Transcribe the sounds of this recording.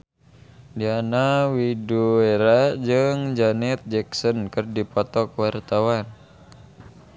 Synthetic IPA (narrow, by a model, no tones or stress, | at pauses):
dianawidueɾad͡ʒɨŋd͡ʒanɛt̪̚d͡ʒɛksənkɨrdipɔt̪ɔkwart̪awan